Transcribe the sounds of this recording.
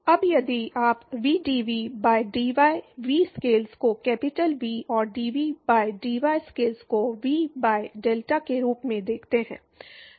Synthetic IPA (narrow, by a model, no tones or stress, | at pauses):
ɐbjɐd̪iaːpʋiːɖiːʋibaːɪɖiːʋaːɪʋiːskeːlskokɛːpɪʈəlʋiːɔːɾɖiːʋibaːɪɖiːʋaːɪskeːlskoʋiːbaːeɖeːlʈakeɾuːpmẽd̪eːkʰt̪eɦɛ̰̃ː